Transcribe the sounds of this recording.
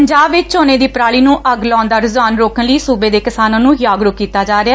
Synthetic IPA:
əɲd͡ʒaːbʋɪt͡ʃoːnẽːd̪iːpɾaːɭiːnũːʔəɡlɔ̃ːnd̪aːɾɪzwaːnɾoːkʰənləiːsuːbeːd̪eːkɪsaːnãːnũːjaːɡɾʊkiːt̪aːd͡ʒaːɾeaː

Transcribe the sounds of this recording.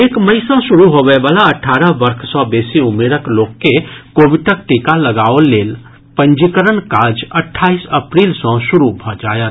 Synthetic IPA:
eːkməisɔ̃ʃʊɾuɦoːʋeʋaːlaɐʈʰːaːɾəɦbəɾkʰsɔbeːsiʊmeːɾəkloːɡkekoːʋɪʈʈək̚ʈiːkaləɡaːoleːl | pə̃ɲd͡ʒikəɾəɳkaːd͡ʒəʈʰːaːisəpɾiːlsɔ̃ʃʊɾubʱɔd͡ʒa̰ːjə

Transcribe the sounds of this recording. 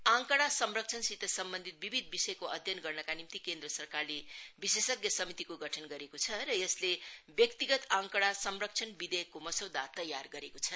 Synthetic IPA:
ãŋkʌɽasʌmrʌk̚t͡sʰʌnsit̪ʌsʌmbʌnd̪ʱit̪̚bibʱid̪̚bisʌjkoʌd̪ʱjʌnɡʌrnʌkanimt̪ikend̪rʌsʌrkarlebisesʌɡjʌsʌmit̪ikoɡʱʌʈʰʌnɡʌɾekot͡sʰʌɾʌjʌslebjʌkt̪iɡʌt̪ãŋkʌɽasʌmrʌk̚t͡sʰʌnbid̪ejkːomʌsʌwd̪at̪ʌjarɡʌɾekot͡sʰʌ

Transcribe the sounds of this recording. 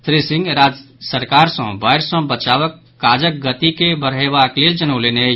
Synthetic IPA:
t̪ɾisɪ̃ŋɡɾad͡ʒ | səɾkaːɾsə̃baɪɾsə̃bət͡ʃaːʋəkːaːd͡ʒək̚ɡət̪ikebəɾeʋakleld͡ʒənəʊlene

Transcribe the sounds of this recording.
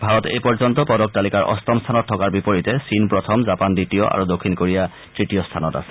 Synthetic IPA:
bʱaɹɔtḛjpɔɹzɔntɔpɔdɔk̚talikaɹʔɔ̰stɔmstʰanɔtʰːɔkaɹbipoɹitɛsinpɹɔtʰɔmzapanditijɔʔa̰ɹudokʰːinkoɹija | tɹitijɔstʰanɔta̰sɛ̥

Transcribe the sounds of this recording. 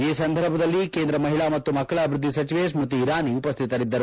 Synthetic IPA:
iːsɐnd̪ʱɐɾbʱɐd̪ɐlːikeːnd̪ɾɐmɐɦiɭaːmɐt̪ːumɐkːɐɭaːbʱiɾud̪ːisɐt͡ʃiʋeːs̬mɾut̪̬iːɾaːniupɐst̪ʰit̪ɐɾid̪ːɐɾu

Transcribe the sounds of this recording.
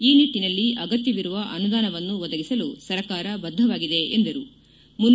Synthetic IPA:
iːniʈːinɐlːiʔɐɡɐt̪jɐʋiɾuʋɐʔɐnud̪aːnɐʋɐnːuʋɔd̪ɐɡisɐlusɐɾɐkaːɾɐbɐd̪ʱːɐʋaːɡid̪e̞ʔḛnd̪ɐɾu | mun

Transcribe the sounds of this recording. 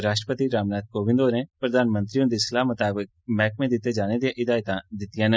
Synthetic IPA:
ɾaːʃʈɾəpət̪iɾaːmnaːt̪̚koːbɪ̃nd̪oːɾẽːpɾəd̪ʱaːnmə̃nt̪ɾiːõːd̪islaːmət̪aːbɪk̚mɛːk̚mẽːd̪ɪt̪ːed͡ʒaːned̪ijãʔɪd̪aːjt̪ãːd̪ɪt̪ːijãːnə

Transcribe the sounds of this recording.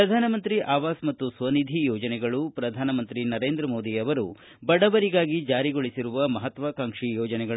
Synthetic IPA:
ɐd̪ʱaːnɐmɐnt̪ɾiʔaːʋaːsmɐt̪ːusʋɐnid̪ʱijɔːd͡ʒɐnɛɡɐɭupɾɐd̪ʱaːnɐmɐnt̪ɾinɐɾe̞ːnd̪ɾɐmoːd̪iɐʋɐɾṵ | bɐɽɐbɐɾiɡaːɡid͡ʒaːɾiɡoɭisiɾuʋɐmɐɦɐt̪ʋɐkaŋʂijɔːd͡ʒɐnɛɡɐ

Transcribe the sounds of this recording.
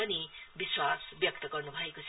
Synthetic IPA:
ʌnibiswasbjʌk̚t̪ʌɡʌrnubʱʌekot͡sʰ

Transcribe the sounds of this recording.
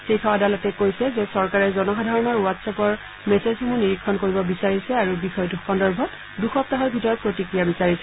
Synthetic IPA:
xejkʰawadalɔtɛkojsɛzɛsɔɹkaɹɛzɔnɔxadʱaɹɔnɔɹuwatsapɔɹ | mɛsezxomuniɹikʰːɔnkoɹibɔbisaɹisɛaɹubixɔjduxʰɔndɔɹbʱɔt | duxɔp̚taɦɔɹbʱitɔɹɔpɹotikɹijabisaɹisɛ

